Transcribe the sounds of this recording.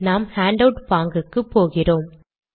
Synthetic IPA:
naːmhaːɳɖɐʊʈpaːŋɡɯkːɯpːoːɣɪroːm

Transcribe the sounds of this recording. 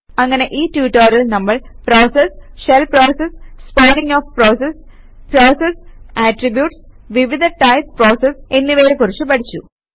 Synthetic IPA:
ɐŋːɐne̞ʔiːtjuːʈːɐːɾilnɐmːɐɭproːsesɕelproːsesspoːniŋoːfproːses | proːsesaːʈribjuːʈs | ʋiʋid̪ɐʈɐjsproːsese̞nːiʋeːɾekurit͡ɕːɨpɐʈʰit͡ɕːu

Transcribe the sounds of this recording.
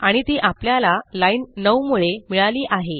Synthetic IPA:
aɽ̃it̪iʔapljalalainnəwmuɭemiɭaliːʔaɦe

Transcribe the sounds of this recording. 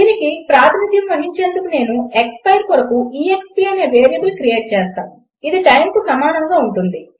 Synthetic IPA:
d̪iːnikipɾaːt̪ʰinid̪ʱjɐmʋɐɦiɲt͡ʃe̞ːnd̪ukune̞ːnuekspɐjɾkɔɽɐkuiːekspiɐneːʋe̞ːɾjɐbulkɾije̞ːʈ̚t͡ʃeːst̪a̰ːnu | id̪iʈɐjmkusɐmaːnɐŋɡaːuɳʈund̪i

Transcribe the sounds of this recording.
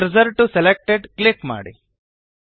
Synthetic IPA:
ɾzɐɾʈuselek̚ʈeɖklɪkma̰ːɽḭ

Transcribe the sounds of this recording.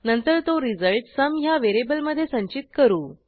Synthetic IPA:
nənt̪əɾt̪oɾid͡zəlʈsəmɦjaʋeɾebəlməd̪ʱːjesə̃ɲt͡ɕit̪̚kəɾuː

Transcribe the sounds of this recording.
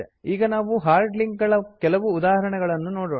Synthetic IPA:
eiːɡɐnaːʋuɦaːɾɖliŋkɡɐɭɐkɛlɐʋuːd̪aːɦɐɾɐɳɛɡɐɭɐnːunoːɽoː

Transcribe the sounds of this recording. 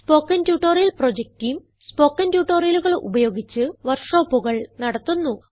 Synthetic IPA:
spo̞ːkːɐntjuːʈːorijɐlproːd͡ʑek̚tijm | spo̞ːkːɐntjuːʈːoːrijɐluɣɐɭṵbɐjo̞ːɡit͡ɕːɨʋɐrʂo̞ːpːuɣɐɭnɐɽɐt̪ːunːu

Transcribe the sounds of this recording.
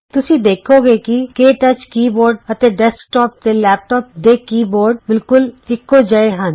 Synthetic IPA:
t̪ʊsĩːd̪eːkʰoːɡeːkikeːʈət͡ʃkiːboːɾɖət̪eːɖɛskʈɔːp̚d̪eːlɛːp̚ʈɔːp̚d̪eːkiːboːɾɖbɪlkʊlʈɪkːod͡ʒaeɦə̃n

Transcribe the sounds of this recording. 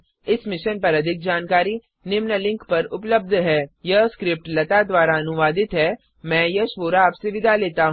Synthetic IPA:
ɪsmɪʃənpɐɾɐd̪ʱɪk̚d͡ʒaːnkaːɾi | nɪmnəlɪ̃ŋkpɐɾʊpləb̚d̪ʱɦɛːjɐɦskɾɪp̚ʈlɐt̪ad̪ʋaːɾaɐnʊʋaːd̪ɪt̪ɦɛː | mɛ̃ːjɐʃʋoːɾaːpseʋɪd̪ʱaleːt̪aɦ

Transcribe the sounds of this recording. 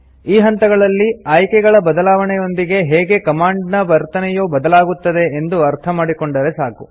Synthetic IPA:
iːɦɐnt̪ɐɡɐɭɐlːiaːjkɛɡɐɭɐbɐd̪ɐlaːʋɐɳɛjo̞nd̪iɡe̞ɦɛːɡe̞kɐmaːɳɖnɐʋɐɾt̪ɐnɛjoːbɐd̪ɐlaːɡut̪ːɐd̪e̞ːnd̪uɐɾt̪ʰɐmaːɽiko̞ɳɖɐɾe̞saːku

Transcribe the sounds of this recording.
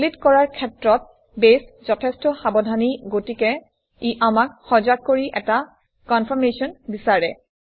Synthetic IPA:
litkɔɹaɹkʰɛtɹɔt̚ | beszɔtʰɛstɔxabɔdʱaniɡotikɛ | iʔamakxɔzak̚kːoɹiʔɛta | kɔnpʰɔɹmesiɔnbisaɹɛ

